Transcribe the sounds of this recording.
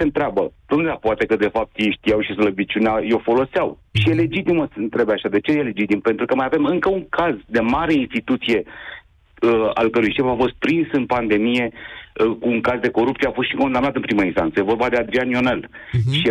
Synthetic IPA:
sent̪ɾeabəd̪und̪lapoat̪e̞kəd̪e̞fap̚t̪jejʃt̪ijawʃisləbit͡ʃʲuneajo̞fo̞lo̞seawʃije̞le̞d͡ʒit̪iməsɨnt̪ɾe̞beaʃad̪e̞t͡ʃejele̞d͡ʒit̪impe̞nt̪ɾukəmajave̞mɨŋkəuŋkazd̪e̞maɾe̞inst̪it̪ut̪sije̞ | əa̰lkəɾujʃe̞fafo̞st̪̚pɾinsɨnpand̪e̞mije̞kuːŋkazd̪e̞ko̞ɾup̚t̪ijeafost̪ʃiko̞nd̪amnat̪ɨnpɾiməinst̪ant̪səjevo̞rbad̪e̞ad̪ɾianio̞nel | ʃi

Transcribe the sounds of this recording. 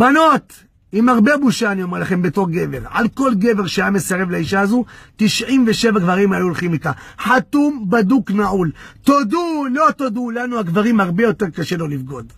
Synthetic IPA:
b̥ano̞t̪ | imaʁbe̞buʃaːniomelaχe̞mbeto̞ʁɡe̞ve̞ʁa̰lko̞lɡe̞ve̞ʁʃeajame̞saʁe̞vlaiʃaːzut̪iʃʕimveʃe̞vaɡvaʁimajuolχimitaħat̪umbaduknaʕult̪odulo̞t̪od̪ulanuaɡvaʁimhaʁbe̞jo̞te̞ʁkaʃe̞lo̞lifɡo̞d

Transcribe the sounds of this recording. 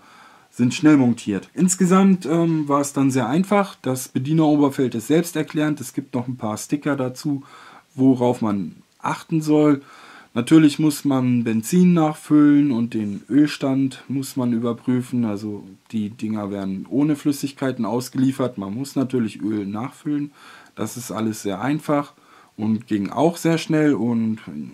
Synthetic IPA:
z̥ɪntʃnɛlmɔŋtʰiːɐtʔɪnsɡ̥əzamtʔɛːmvaːɐɛsd̥anzeːɐʔaɪnfaχd̥asb̥ədiːnɐoːbɐfɛltɪstz̥ɛlpstɛɐkʰl̥ɛːʁntɛsɡ̥iːp̚tnɔχn̩pʰaːɐstɪkɐdat͡suːvoʁaʊfman | ʔaχtn̩zɔl | natʰyːɐlɪçmʊsmanbɛnt͡siːnːaːχfʏlənʊnt̚d̥eːnʔøːlʃtantmʊsmanyːbɐpʁ̥yːfn̩alzod̥iːdɪŋɐveːɐdn̩ʔoːnəflʏsɪçkʰaɪtn̩ʔaʊsɡ̥əliːfɐtmanmʊsnatʰyːɐlɪçʔøːlnaːχfʏlənd̥a̰sɪstʔa̰ləsz̥eːɐʔa̰ɪnfaχ | ʔʊntɡ̥ɪŋʔa̰ʊxz̥eːɐʃnɛlʊnt

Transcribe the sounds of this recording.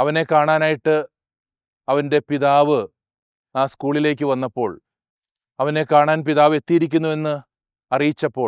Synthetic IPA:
ɐʋɐne̞kaːɳaːnaːjiʈːɨ | ɐʋɐnde̞piðaːʋɨ | aːskuːɭile̞ːk̬ʲːɨʋɐnːɐpːo̞ːɭ | ɐʋɐne̞kaːɳaːnpiðaːʋe̞t̪ːijiɾikʲːunːue̞nːɨ | ɐrijit͡ɕːɐpːo̞ː

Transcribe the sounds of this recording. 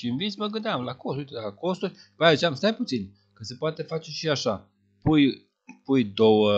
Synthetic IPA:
ʃiɨnvit̪sʲməɡɨnd̪eamlakost̪ujt̪elako̞st̪urʲpəjazit͡ʃamst̪ajput̪sin | kəse̞poat̪e̞fat͡ʃe̞ʃiaʃa | puj | pujd̪o̞wə

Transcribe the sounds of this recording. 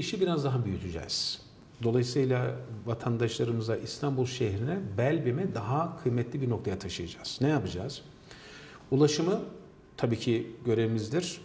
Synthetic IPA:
iʃibiɾazd̪aɦabyjyt̪ʰyd͡ʒɛ̰z̥ | d̪o̞lˠajɯsɯjlˠavat̪ʰand̪aʃlˠaɾɯmɯzaʔist̪ʰambulˠʃeɦɾinɛbælʲbimɛd̪aɦakʰɯjmɛt̪ʰlʲibiɾno̞kt̪ʰajat̪ʰaʃɯjad͡ʒaːz̥nɛjapɯd͡ʒaz̥ | ulˠaʃɯmɯ | t̪ʰabiːcʰiɟø̞ɾeimizd̪iɾ̥

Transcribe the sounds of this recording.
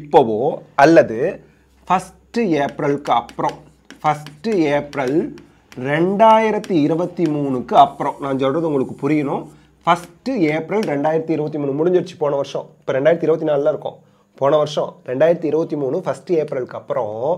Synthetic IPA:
ɪpːɐʋoːɐlːɐðɯ | fɐsʈɯeːpɾɐlkːɯɐpːɯɾɔ̃ | fɐsʈɯeːpɾɐl | ɾɛɳɖaːjɪɾɐt̪ːiɪɾɯbɐt̪ːimuːɳɯkːɯɐpːɯɾɔ̃nãːɲsɔlrːɐðʊŋɡɐɭɯkːɯpʊɾɪjɐnõː | fɐsʈɯeːpɾɐlɾɛɳɖaːjɪɾɐt̪ːiɪɾɯbɐt̪ːimuːnɯmʊɽɪɲd͡ʒʋɽt͡ʃːi̥poːɳɐʋɐɾʂɐ̰̃ɪpːoːɾɛɳɖaːjɪɾɐt̪ːiɪɾɯbɐt̪ːinaːlɯlãːɪɾɯkːõ̰ː | poːɳɐʋɐɾʂɔ̰̃ɾɛɳɖaːjɪɾɐt̪ːiɪɾɯbɐt̪ːimuːnɯfɐsʈɯeːpɾɐlkːɯɐpːɯɾõ

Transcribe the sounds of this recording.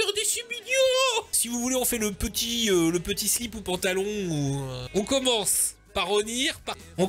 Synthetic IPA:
ɛʁd̪esyminjɔ̃sivuvuleɔ̃fɛləpət̪iøləpət̪islipopɑ̃t̪alɔ̃uɔ̃kɔmɑ̃s | paʁːəniːʁpa | ɔ̃

